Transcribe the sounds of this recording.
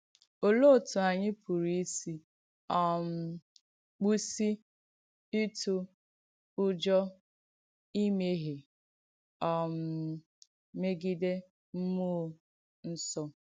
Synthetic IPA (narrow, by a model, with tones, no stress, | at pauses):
o˨lo˦˨tu˨a˨ɲɪ˦pʰu˨ɾi˦si˦ | ɔ˦˨m̩˦ | k͡pu˦si˦ | i˦tu˦ | ʊ˦d͡ʒɔ˦ | i˦me˦ɦe˨ | ɔ˨m̩˨ | me˦ɡi˦de˦ | m̩˦mu˦˨˦ | n̩˦sɔ˦